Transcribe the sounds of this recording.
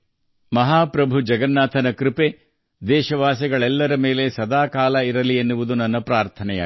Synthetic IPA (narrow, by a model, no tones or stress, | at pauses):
mɐɦaːpɾɐbʱud͡ʒɐɡɐnːaːt̪ʰɐnɐkɾipe | d̪ɛːʃɐʋaːsɐɡɐɭɛlːɐɾɐmeːle̞sɐd̪aːkaːlɐiɾɐlienːuʋud̪unɐnːɐpɾaːɾt̪ʰɐnɛja̰